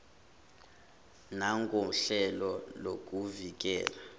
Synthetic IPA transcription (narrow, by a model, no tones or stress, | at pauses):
naŋɡʱʼoɬɛlɔlok̬ʼuvik̬ʼɛ̰ːla